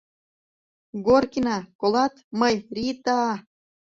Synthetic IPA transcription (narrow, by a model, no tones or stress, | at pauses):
ɡorkinɑkolɑt̪mɤjrit̪ɑɑ